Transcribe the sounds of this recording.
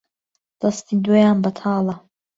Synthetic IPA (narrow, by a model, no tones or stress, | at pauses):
d̪̥ɐst̪iːd̪oːjaːnbɐt̪ʰɑːlˠɐ